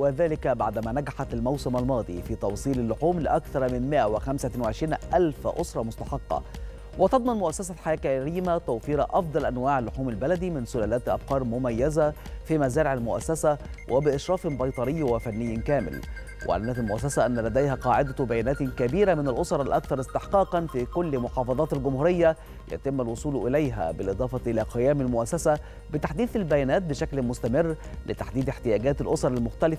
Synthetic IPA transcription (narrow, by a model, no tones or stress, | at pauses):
wɪðæːlɪkbaʕd̪mæːnæɡaħat̪almawsɪmalmɑːd̪ˤḭfiːt̪ɑwsˤiːlalːʊħuːmlɪʔækθɑɾˤmɪnmɪʔæwɪxæmsæwɪʕɪʃɾiːnʔælfʔʊsˤɾˤɑmʊst̪ɑ̥ħɑqːɑ̰ | wɪt̪ɑd̪ˤmɑnmʊʔæsːæsaħajæːkæɾiːmat̪æwfiːɾɑʔɑfd̪ˤɑlʔænwaːʕlːʊħuːmɪlbælæd̪imɪnsʊlæːlæːt̪ʔɑ̰b̚qɑːɾˤmʊmæjːæzæ | fimæzæːɾɪʕalmʊʔæ̰sːæsæwʔɪbɪʔɪʃɾˤɑːfɪnbɑjt̪ˤɑɾɪjːwɪfænːɪjːkæːmɪ̰l | wʔɪ̰ʕa̰æmnæt̪ælmʊʔæs̬ːæsæʔænːælæd̪æjhæqɑːʕɪd̪æbæjæːnæːt̪kæbiːɾæmɪnælʔosˤɑɾˤalʔækθɑɾˤɪst̪eħqiːqɑnfikʊlːmʊħɑːfɑðˤɑːt̪ɪlɡʊmhuːɾɪjːæ | jæ̰t̪ɪmːælwʊsˤuːlʔɪlæjɦæ̰bɪlʔɨd̪ˤɑːfɑʔɪlæːqɪjæːmɪlmʊʔæsːæsæ | bɪt̪aħd̪iːθɪlbæjæːnæːt̪̚bɪʃæklmʊst̪æmɪrːlɪt̪aħd̪iːd̪eħt̪ɪjæːɡæːt̪ɪlʔosˤɑɾˤalmʊxt̪ælɪf